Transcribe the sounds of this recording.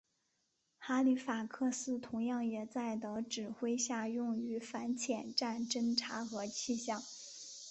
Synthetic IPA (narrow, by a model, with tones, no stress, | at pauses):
xa˧˥li˧˥fa˨˩kʰɤ˥˧sɹ̩˥t̪ʰʊ˧˥ŋjɑ˥˩ŋjɛ˨˩t͡sa˥˩ɪd̪ə˧˩ʈ͡ʂɻ̩˨˩xwe˥ɪɕja˥˧jʊ˥˩ŋy˧˥fa˧˥nt͡ɕʰjɛ˨˩nʈ͡ʂa˥˩nʈ͡ʂə˥ŋʈ͡ʂʰa˧˥xɤ˧˥t͡ɕʰi˥˧ɕjɑ˥˩ŋ